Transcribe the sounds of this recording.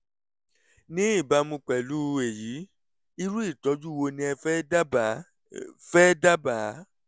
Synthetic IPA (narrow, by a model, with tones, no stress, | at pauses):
nĩ˦i˦˨ba˨˦mũ˧k͡pɛ˨lu˦e˨ji˨˦ | i˧ɾu˦i˦˨tɔ˨˦d͡ʒu˦wo˧nĩ˧ɛ˧fɛ˦˨ | fɛ˦da˦ba˨˦